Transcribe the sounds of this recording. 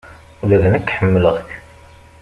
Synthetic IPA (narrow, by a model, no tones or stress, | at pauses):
ulæðnəkːħəmːələʁç